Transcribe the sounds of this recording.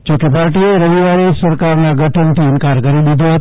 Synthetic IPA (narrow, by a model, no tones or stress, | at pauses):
d͡ʒoːkepaːɾʈieɾɐʋiʋaːɾisɐɾkaːɾnẽɡʱɐʈʰənt̪ʰiɪnkaːɾkɐɾiɗɪd̪ʱoɦt̪